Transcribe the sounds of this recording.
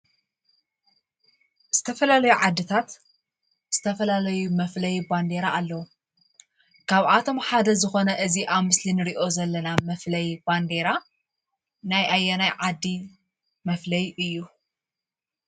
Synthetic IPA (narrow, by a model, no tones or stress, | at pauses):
z̥ɨt̪ʰɐfɐlalɐjuʕad̪ːɨt̪ʰat̪ | z̥ɨt̪ʰɐfɐlalɐjumɐflɐjband̪e̞ɾaːlːɐwu | kʰaβʔat̪ʰo̞mħad̪ɐzɨxo̞nɐʔɨziʔamɨslinɨɾiʔo̞zɐlːɐnamɐflɐjb̥and̪eɾa | najajːɐnajʕad̪ːi | mɐflɐjɨjːu